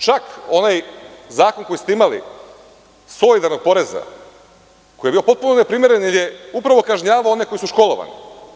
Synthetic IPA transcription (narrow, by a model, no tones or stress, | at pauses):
t͡ʃako̞najzaːko̞nko̞ist̪eimalḭ | so̞lid̪aɾno̞ɡ̚po̞ɾe̞za̰ | kojeiopo̞t̪̚punone̞pɾimje̞ɾenilje̞upɾaʋo̞kaʒɲaːʋaoo̞neko̞jisuʃko̞lˠo̞ʋa̰nḭ